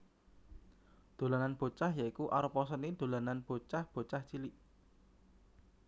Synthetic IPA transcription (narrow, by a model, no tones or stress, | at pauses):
d̪̥o̤lananb̥o̤t͡ʃahjaikuʔaɾəpɔsənid̪̥o̤lananb̥o̤t͡ʃahb̥o̤t͡ʃaht͡ʃiliʔ